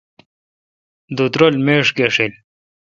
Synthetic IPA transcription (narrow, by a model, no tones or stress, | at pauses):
d̪ut̪ɾolmeːʂkeʂil